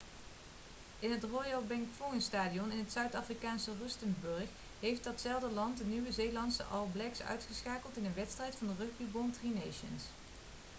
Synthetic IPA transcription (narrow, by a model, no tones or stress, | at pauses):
ɪnɦətrɔjɑlˠbɛŋkfoənstaːdiɔnɪnɦətsœɥtaːfrikaːnsərɵstənbɵɹx | ɦejftdɑtsɛlˠdəlɑntənywəzejlɑntsə̰ʔɑlˠblɛksœ̰ɥtχəsχaːkəlˠtɪnənʋɛtstrɛjtfɑndərɵχbibɔntrinejʃə̰ns